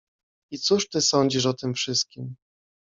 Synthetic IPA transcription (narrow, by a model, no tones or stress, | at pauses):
it̪suʂt̪ɘsɔɲd͡ʑiʂɔt̪ɘmfʂɘst̪̚kʲim